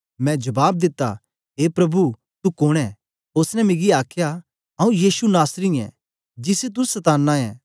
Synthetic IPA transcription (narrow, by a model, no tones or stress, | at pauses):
mɛ̃d͡ʒɐbaːb̚d̪ɪt̪ːa̰ | ɦeːpɾɐbu | t̪ukoːɽ̃ɛ | osnɛmɪɡiaːkʰja | ɦɐ̃ːũjiːsunaːsɾĩɛ̰̃ | d͡ʒɪset̪̬usɐt̪aːnːaɛ̃ː